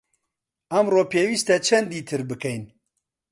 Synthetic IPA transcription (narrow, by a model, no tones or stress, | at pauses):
ɐmroːpʰeːwiːst̪ɛt͡ʃʰɛnd̪iːt̪ʰɨɾbɨkɛjn